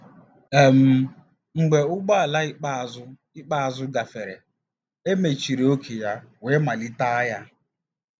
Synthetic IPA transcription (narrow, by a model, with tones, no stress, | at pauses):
e˨m̩˦ | ŋ͡m̩˨ɡ͡be˨ʊ˦ɡ͡ba˦a˨la˦k͡pzʊ˦ | ɪ˦k͡pa˦a˨zʊ˦ɡa˨fe˨ɾe˨ | e˦me˨t͡ʃi˨ɾe˨o˦kʰe˨ja˦we˨˦ma˨li˦ta˦ja˦